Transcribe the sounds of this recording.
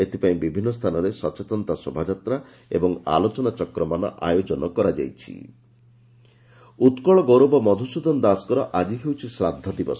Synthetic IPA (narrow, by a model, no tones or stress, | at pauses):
et̪epaĩbibʱinːɔst̪ʰanɔɾesɔt͡ʃet̪ɔnt̪asobʱad͡ʒat̪ɾa | ḛbɔŋa̰lot͡ʃɔnat͡ʃɔkɾɔmanɔ̰ʔa̰jod͡ʒɔnɔkɔɾad͡ʒa̰jt͡ʃʰḭ | ut̪kɔɭɔɡoɾobɔmɔd̪ʱusud̪ʱɔnd̪askɔɾɔʔad͡ʒiɦewt͡ʃʰisɾad̪ʱːɔd̪ibɔs